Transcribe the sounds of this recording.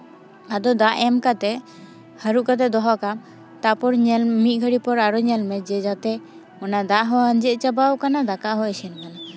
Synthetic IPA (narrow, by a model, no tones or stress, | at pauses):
ad̪ɔd̪aʔɛmkat̪ɛ | həɾuʔkat̪̬ɛd̪ɔɦɔʔkam | t̪apɔɾɲɛlmit̪̚ˀɡʱəɽipɔɾaɾɔɲɛlmɛd͡ʒɛd͡ʒat̪ɛ | ɔnad̪aʔɦɔənd͡ʒɛʔ̚t͡ʃabawkanad̪akaʔɦɔɛsɛnkana